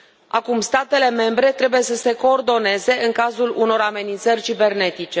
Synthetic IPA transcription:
a̰kumst̪at̪e̞le̞me̞mbɾe̞t̪ɾe̞buje̞səse̞ko̞ːrd̪o̞ne̞ze̞ɨŋkazuluno̞ɾame̞nint̪sərʲt͡ʃibe̞rne̞t̪it͡ʃe̞

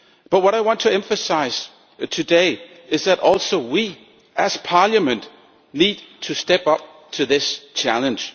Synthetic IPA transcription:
b̥ʌt̚wʌɾaɪwɑ̃ntʰɨɛ̃ɱfɨsaɪz̥ | tʰɨdeɪ | ɨzðɨɾʔɔlˠsoʊwi | ɨz̥pʰɑljəmɨ̃nt | lid̚tʰɨstɛpʌp̚ | tʰɨðɪst͡ʃʰælˠə̃nd͡ʒ̥

